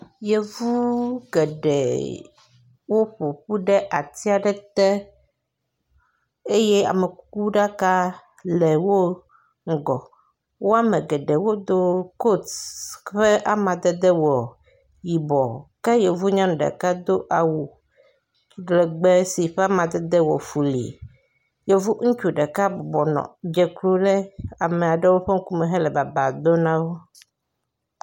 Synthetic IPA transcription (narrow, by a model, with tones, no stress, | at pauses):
je˨vu˦ɡɛ˨ɖɛ̰˨ | wo˦ɸo˨ɸu˦ɖɛ˦ʔa˨t̪i˦a˨ɖɛ˦t̪ɛ˦ | e˦je˦a̰˨me˨ku˦ku˦ɖa˦ka˦ | lɛ˨wo˦ | ŋ̩˦˨ɡɔ˨ | wʔo˦a˦mɛ̃˨ɡɛ˨ɖɛ˨wo˦d̪o˦ko˦tɸɛ˦ʔa˨mã˨d̪ɛ˦d̪ɛ˦wɔ˨ | ji˨bɔ˨ka˦jɛ˨vu˦ɲã˦ñ˨ɖɛ̰˨ka˦d̪o˦ʔa˨wu˨ | ɖlɛ˨ɡ͡bɛ˦si˨ɸɛ˦a˦mã˨d̪ɛ˦d̪ɛ˦wɔ˨fu˨lḭ˨ | jɛ˦vu˦ŋũ˦t͡ʃu˨ɖɛ˨ka˦bɔ˨bɔ˨nɔ̰̃˨d͡ʒɛ˨klu˦lɛ˦a˨me˨a˨ɖɛ˦wo˦ɸe˦ŋ̩˦ku˦mɛ̃˨ɦɛ˦lɛ˨ba˨ba˨d̪o˦nã˦wo˦